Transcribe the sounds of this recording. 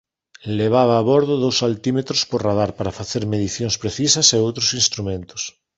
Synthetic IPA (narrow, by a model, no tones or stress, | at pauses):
leβ̞aβ̞aːβoɾðʊðowsalt̪imet̪ɾospoɾrað̞aɾpaɾafaθeɾmeðiθjonspɾeθisɐseowt̪ɾosĩnst̪ɾumẽnt̪ʊ̥s